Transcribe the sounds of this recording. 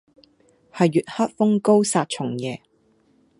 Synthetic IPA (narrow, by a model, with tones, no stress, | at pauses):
hɐ˨jːyː˨t̚hɐ˥t̚fʊ˥ŋko˥wsaː˧t̚t͡ʃʰʊ˨˩ŋjɛː˨